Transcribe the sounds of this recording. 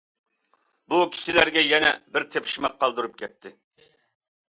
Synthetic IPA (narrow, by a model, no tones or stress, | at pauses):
bukʲʰi̥ʃilæɾɡʲɛjɛnɛ̰bɪɾt̪ʰepʰʃmɑq̚ʰːɑlˠd̪ɨɾup̚kʲʰɛt̪ʰːɪ